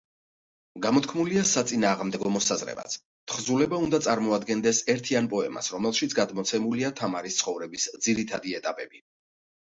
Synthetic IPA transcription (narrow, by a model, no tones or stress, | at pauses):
ɡamɔt̪kʰmuliasat̪sʼinaːʁmd̪ɛɡɔmɔsazɾɛ̰ba̰t̪sʰ | t̪ʰχzulɛbaund̪at̪sʼaɾmɔad̪ɡɛnd̪ɛsɛɾt̪ʰianpʼɔɛ̰ma̰sɾɔmɛlˠʃit̪sʰɡad̪mɔt̪sʰɛmuliat̪ʰamaɾist̪sʰχɔvɾɛbisd̪ziɾit̪ʰad̪iɛt̪ʼapʼɛbi